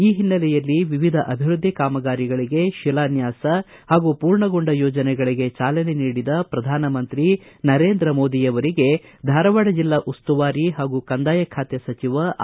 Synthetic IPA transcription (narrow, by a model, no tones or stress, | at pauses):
iːɦinːɐlɛjɐlːiʋiʋid̪ʱɐʔɐbʱiɾud̪ʱːikaːmɐɡaːɾiɡɐɭiɡe̞ʃilaːnjaːsɐ | haːɡupuːɾɳɐɡoɳɖɐjoːd͡ʒɐnɛɡɐɭiɡe̞t͡ʃaːlɐneniːɽid̪ɐpɾɐd̪ʱaːnɐmɐnt̪ɾinɐɾe̞ːnd̪ɾɐmo̞ːd̪ijɐʋɐɾiɡe̞ | d̪ʱaːɾɐʋaɽɐd͡ʒilːɐʔust̪uʋaːɾiɦaːɡukɐnd̪aːjɐkʰaːt̪jɐsɐt͡ʃiʋɐ